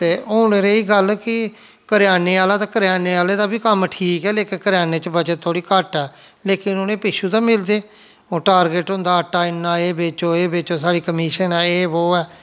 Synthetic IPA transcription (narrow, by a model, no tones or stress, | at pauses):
t̪eːoːneːɾeːiːɡəlkɪ | kəɾɪjaːneːaːlaːt̪aːkəɾjaːneːaːleːd̪aːbiːkəmʈʰiːkɛːleːkɪkəɾjaːneːt͡ʃəbət͡ʃət̪ʰːoːɽiːkəʈɛː | leːkɪnonẽːpɪʃuːt̪ãːmɪld̪eː | oːʈaːɾɡəʈɦʊ̃nd̪aːəʈːaːɪnːãːeːbeːt͡ʃoːeːbeːt͡ʃoːsaːɽiːkəmiːʃənɛːeːɦoːɛː